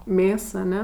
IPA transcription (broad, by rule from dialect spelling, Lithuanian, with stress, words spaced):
ˈmʲeːs ɐˈnʲɛ